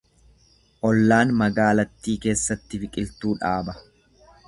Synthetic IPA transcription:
ʔɔlːaːnmɐɡaːlɐt̪ːiːke̞ːsːɐt̪ːɪfɪkʼɪlt̪uːᶑaːbɐ

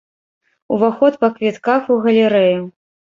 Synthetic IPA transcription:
uvaxɔt̪pɐkvʲɛt̪kaxuɣɐlʲɛɾɛju

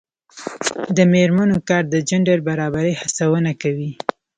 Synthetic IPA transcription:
d̪əmeɾmanokɑɾd̪əd͡ʒaɳɖaɾbaɾɑbaɾihasawənakawi

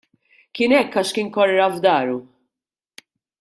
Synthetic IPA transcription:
kɪnɛkːɐʃkɪnkɔrːɐvd̪ɐːɾu

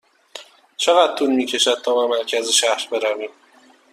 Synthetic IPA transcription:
t͡ʃʰe̞ɣæd̪̥̚t̪ʰunmiːcʰe̞ʃæd̪̚t̪ʰɒːbemæɾcʰæzeʃæhɾbe̞ɾæviːm

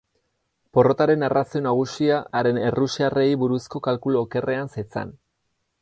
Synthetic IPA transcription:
po̞ro̞t̪aɾe̞narʔasio̞naɣ̞usiaʔːɾe̞ne̞rusiare̞jβuɾusko̞kalkuloːke̞re̞anset͡sa̰n

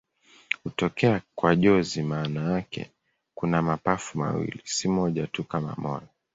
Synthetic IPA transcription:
hutɔkɛakwaʄɔzimaːnajakɛ̰ | kunamapafuma̰wḭlisimɔʄatukama̰mɔjɔ

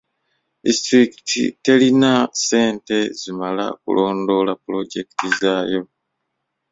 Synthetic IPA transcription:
ḭstɾikitḭte̞linase̞ːnte̞zimala̰kṵlʔo̞ːndo̞lapulo̞ɟe̞ki̥tizaːjo̞

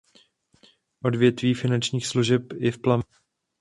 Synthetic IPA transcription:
ʔo̞dvjɛt̪viːfɪnant͡ʃɲiːxsluʒɛpɪfplam

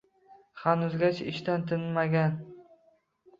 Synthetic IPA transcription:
χanʊzɡʲat͡ʃʰɪʃt̪ant̪ʰɪnmaɡʲan

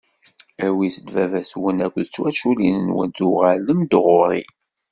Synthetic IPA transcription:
æwiθəd̪vævæθwənækʷðt͡sːwæt͡ʃːulinənwə̰nt̪uʁæləmd̪ʁʊɾˤḭ

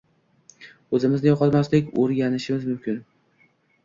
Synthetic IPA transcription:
ɵzɪmɪznɪjɒqʰɒt̪maslɪkʲoɾɡʲanɪʃɪmɪzmʊmkʲʰɪn

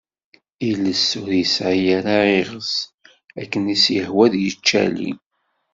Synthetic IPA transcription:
iləsːʊɾjəsʕjæɾaeʁəs | ækːənisjəhwæðjət͡ʃːæ̰lḭ

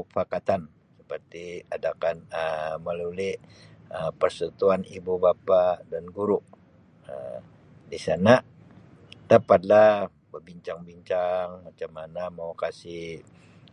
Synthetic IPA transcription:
fakat̪an | sə̥pərt̪iadakanəməlulɪʔəpərsət̪uanibubapadanɡuɾuʔ | ə̰ | disana | t̪əpat̪̚la | bərbiɲt͡ʃaŋbiɲt͡ʃaŋmat͡ʃamanamaukasi

